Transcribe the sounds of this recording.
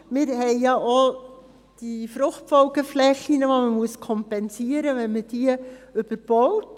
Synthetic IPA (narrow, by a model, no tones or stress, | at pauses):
mɪːɾhɛɪjɑʔo | d̥ifɾʊχtfɔʊɡəflɛxinəʋoməmuəskʰɔmpɛnsiəɾəʋɛnməd̥iəʏb̥əɾb̥ɔwt